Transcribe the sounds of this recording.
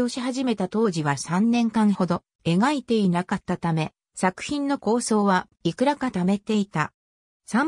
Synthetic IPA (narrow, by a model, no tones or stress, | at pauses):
o̞ɕiɦaʑime̞t̪at̪o̞ːʑiβasãnːẽ̞ŋkãɰho̞d̪o̞ | e̞ɡait̪e̞inakat̪ːat̪ame̞ | sakɯ̟̥çĩnːo̞ko̞ːso̞ːβa | ikɯ̟ɾakat̪ame̞t̪e̞it̪a | sãm